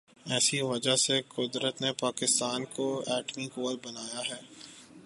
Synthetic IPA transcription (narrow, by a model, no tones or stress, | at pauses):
ɛːsiʋɐd͡ʒasekʊd̪ɾət̪nepaːkɪst̪aːnkoɛːʈmikoːlbɐnaːjaɦɛː